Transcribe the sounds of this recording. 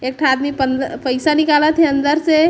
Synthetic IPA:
ek̚ʈʰaːd̪mipənd̪pəjsanikalət̪ʰeənd̪əɾse

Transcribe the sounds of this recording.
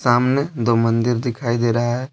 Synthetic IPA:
saːmned̪omə̃nd̪ɪɾd̪ɪkʰaːid̪eːɾɐɦaɦɛː

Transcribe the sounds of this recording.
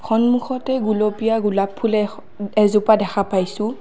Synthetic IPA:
xʰɔnmuxɔtɛɡulɔpijaɡulapʰːulɛ | ɛzupadɛxʰapajsʊ̃

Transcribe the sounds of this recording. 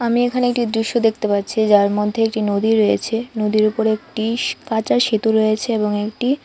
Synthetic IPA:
amiekʰaneek̚ʈid̪ɾiʃːod̪ek̚ʰt̪epatːɕʰid͡ʑaɾmod̪ʱːeek̚ʈinod̪iɾojet͡ɕʰenod̪iɾupoɾek̚ʈikat͡ɕaɾʃet̪uɾojet͡ɕʰeeboŋekʈi

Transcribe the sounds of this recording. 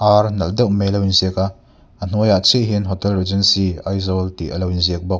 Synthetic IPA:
ʔaɾnɐldɛwʔmelɐwinziəkaʔ | ən̥ujaʔt͡sʰiʔɦinɦɔt̪ɛlred͡ʒɛnsiɐjzɔlt̪ḭʔəlɐwinziək̚bɔk̚

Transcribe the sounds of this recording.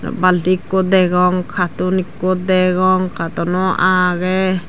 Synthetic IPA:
baltikːɔd̪ɛɡɔŋkʰat̪unikːut̪̚d̪ɛɡɔŋkʰat̪ɔnɔʔaɡɛ

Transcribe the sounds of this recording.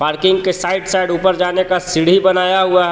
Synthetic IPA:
paːɾkɪ̃ŋɡkesaːɪɖsaɪɖuːpəɾd͡ʒaːnekasɪɽ̤ibənaːjaɦuaɦ

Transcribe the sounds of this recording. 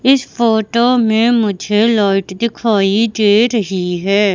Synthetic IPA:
ɪspʰoːʈoːmẽmʊd͡ʒʱelɔːʈd̪ɪkʰaːiɖeːɾəɦiɦɛː

